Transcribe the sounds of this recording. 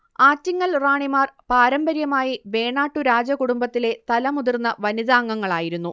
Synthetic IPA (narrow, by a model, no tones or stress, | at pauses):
aːtːiŋːɐɭraːɳimaːrpaːɾɐmbɐɾjɐmaːjibe̞ːɳaːʈːuɾaːd͡ʑɐkuɽumbɐt̪ːile̞t̪ɐlɐmuðirnːɐʋɐniðaːŋːɐŋːɐɭaːjiɾunːu